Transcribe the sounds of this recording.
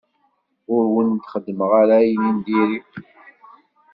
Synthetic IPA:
ʊɾwənt̪χəd̪ːməʁaɾajnind̪iɾi

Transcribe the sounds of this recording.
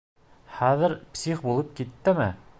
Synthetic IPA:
χæðɘ̆ɾpsʲiχbulˠɤp̚kit̪ːɘmɘ

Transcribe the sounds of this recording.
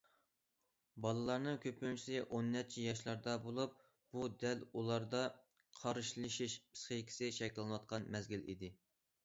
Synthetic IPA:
bɑlˠɨlˠɑɾnɨŋkʲʰøpynt͡ʃʰi̥sɪʔonːɛt͡ʃʰijɑʃlˠɑɾd̪ɑbolˠup̚ | b̥ud̪ælulˠɑɾd̪ɑ | qʰɑɾɨʃlˠɨʃiʃpʰɨ̥sχəkʲʰi̥sɪʃɛkʲlˠɨnwɑt̪̚qʰɑnmɛzɡʲilḭd̪ɪ

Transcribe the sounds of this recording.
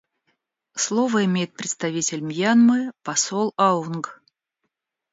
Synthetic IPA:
slˠovəɪmʲejɪt̪̚pɾʲɪt̪st̪ɐvʲitʲɪlʲmʲjanmɨpɐsolˠaunɡ

